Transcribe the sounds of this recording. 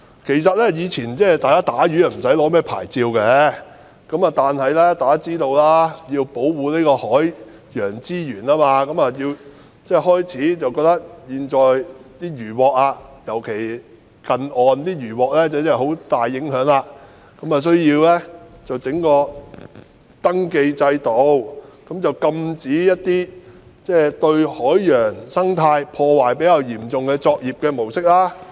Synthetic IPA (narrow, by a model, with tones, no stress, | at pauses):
kʰe˨˩js̬ɐ˨t̚lɛ˥jiː˨˧t͡sʰiː˨˩nt͡sɛː˥˩t̪aː˨jkaː˥t̪aː˨˥jyː˨˥jɐ˨˩m̩˨˩sɐ˨˥jlɔː˨˥mɛː˥pʰa̰ː˨˩jt͡siː˧wkɛ˨˧˥ | kɐ˨˥mɐ˨t̪aː˨nhɐ˨jlɛː˥t̪aː˨kaː˥t͡siː˥t̪o˧wlaː˥ji˧wpo˨˥wwuː˨˧niː˥kɔː˧hɔː˨˥j | jœː˨˩ŋt͡siː˥jyː˨˩naː˥maː˧kɐ˨˥mɐ˨ji˧w | t͡sɛ˥˩hɔː˥jt͡sʰiː˨˥t͡sɐ˨wkɔː˧k̚t̪ɐ˥k̚jiː˨nt͡ʃɔː˨jt̪iː˥ɥyː˨˩wɔː˨k̚aː˧jɐ˨˩wkʰe˨˩j | kɐ˨nɔː˨nt̪iː˥jyː˨˩wɔː˨k̚lɛː˥t͡sɐ˨˩wt͡sɛ˥˨˩ho˨˥wt̪aː˨jːɪ˨˥ŋɦœː˨˥ŋlaː˧ | kɐ˨˥maː˨s̬ɵ˥ɥjiː˧wlɛː˥t͡sɐ˨wt͡sɪ˨˥ŋkɔː˧ | t̪ɐ˥ŋke˧jt͡sɐ˧jt̪o˨˧wkɐ˨˥mt͡sɐ˨wkɐ˧mt͡siː˨˥jɐ˥t̚t̪iː˥t͡sɛː˥˩t̪ɵ˧ɥhɔː˨˥jːœː˨˩ŋsɐ˥ŋt̪ʰaː˧jpʰɔː˧waː˨˩jpe˨˥jaː˧wjiː˨˩mt͡sʊ˨ŋkɛː˧t͡sɔː˧k̚jiː˨p̚kɛː˧mo˨˩wsɪ˥k̚laː˥